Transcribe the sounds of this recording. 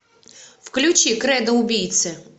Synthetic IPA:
wklʲʊt͡ʃikɾɛd̪ɐʊbʲijt̪sʲɛ

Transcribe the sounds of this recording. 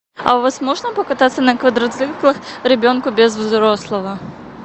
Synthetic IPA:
ɐ̰vɔsʲmɔʐnɐpɐkat̪at̪sːɐnɐkvɐd̪ɾɐt̪zɨklˠɐxrɛbʲɔnkʊbʲɛzvzɾɔslˠɐvɐ

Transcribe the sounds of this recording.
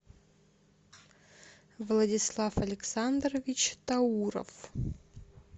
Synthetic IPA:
vlˠɐdʲɪslˠafɐlʲɪksand̪rəvʲɪt͡ɕt̪ɐuɾə̰f

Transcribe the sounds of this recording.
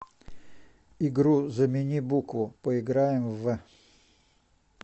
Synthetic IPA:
ɪɡɾuzəmʲɪnʲibukvʊpəɪɡɾajɪmvɛ

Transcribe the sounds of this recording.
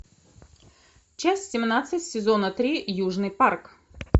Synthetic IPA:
t͡ɕæsʲsʲɪmnat̪sɨtʲsʲɪzonət̪ɾʲijuʐnɨjpark

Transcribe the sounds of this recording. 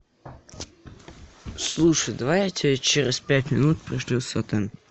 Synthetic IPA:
slˠuʂəjd̪ɐvajtʲɪt͡ɕeɾʲɪspʲætʲmʲɪnut̪̚pɾʲɪʂlʲisot̪ɛn

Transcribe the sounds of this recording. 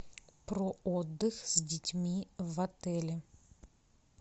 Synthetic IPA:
pɾood̪ːɨxz̥ʲdʲɪtʲmʲivɐt̪ɛlʲɪ

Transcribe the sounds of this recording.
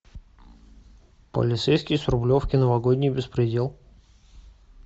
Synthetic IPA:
pə̰lʲɪt̪sɛjskʲɪjsɾʊblʲofkʲɪnəvɐɡodʲnʲɪjbʲɪspɾʲɪdʲe̞lˠ

